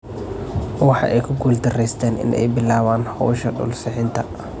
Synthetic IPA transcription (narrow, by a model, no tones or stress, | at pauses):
wɑħɑ̰ʔɛjkʰʊɡuːld̪ɐrɛjst̪ʰɛːnʔɪ̰nʔɛ̰jbɪlaːβaːnhɔːʃɐɖɔ̰ːlsɪʕɪnt̪ʰɐ